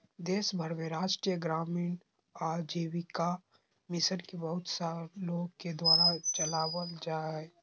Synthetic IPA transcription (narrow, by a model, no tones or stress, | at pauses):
d̪eːʃbʱəɾmẽɾaːd͡ʒʈɾijəɡɾaːmiːn | aːɾd͡ʒeːwika | mɪsənkebɐɦʊt̪saɾloːɡked̪waːɾat͡ʃɐlaːwəld͡ʒaːɦɛ